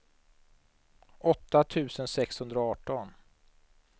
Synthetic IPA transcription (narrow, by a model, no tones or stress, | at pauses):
ɔt̪ːat̪ʰʉ̟ːsənsɛkshɵnd̪ɾɔɑːʈːɔn